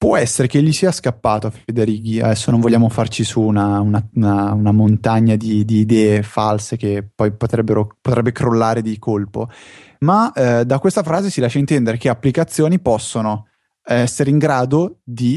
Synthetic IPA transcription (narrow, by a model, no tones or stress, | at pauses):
pwɔɛsːeɾekeʎːisiːaskapːaːt̪oafed̪eɾiːɡiad̪ɛsːonoɱvolʎːaːmofart͡ʃisuːnaunaunaunamont̪aɲːad̪id̪iːd̪ɛːefalsek̟epːɔjpot̪ɾɛbːeɾopot̪ɾɛbːekɾolːaːɾed̪ikʰolpo | mad̪akwest̪afɾaːzesilaʃːaint̪ɛnd̪eɾekeapːlikat̪sːjoːnipɔsːono | ɛsːeɾeiŋɡɾaːd̪od̪i